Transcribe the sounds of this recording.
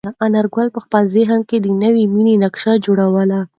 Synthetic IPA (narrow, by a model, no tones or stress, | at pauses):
əʔanaɾɡwalpəxpɑlzeɦan̚ked̪ənəwiminenakʃɑd͡ʒoɽawəla